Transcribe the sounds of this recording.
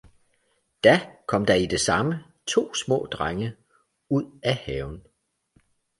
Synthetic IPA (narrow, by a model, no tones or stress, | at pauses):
d̥ækʰɒ̽m̰d̥ɑ̈id̥e̝sɑ̈mə | t͡sʰo̝̰ːsmɔ̰̽ːd̥ʁaŋə | uð̰ˠæhɛːʊn